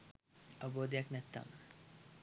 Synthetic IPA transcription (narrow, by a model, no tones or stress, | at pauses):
ɒbod̪jɛknɛk̚t̪ɒ̰n